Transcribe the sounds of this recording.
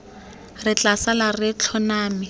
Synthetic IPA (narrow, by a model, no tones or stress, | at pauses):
rɪt͡ɬasalarɪt͡ɬʰɔnaːmɪ